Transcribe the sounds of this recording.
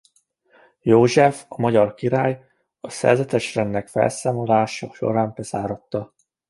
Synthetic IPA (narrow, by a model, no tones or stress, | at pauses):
joːʒɛfɒmɒɟɒrkiɾaːj | ɒsɛ̰rzɛt̪ɛʃrɛnːɛkfɛ̰lsaːmo̞laːʃɒʃo̞̰ɾaːmbɛz̥aːɾot̪ːɒ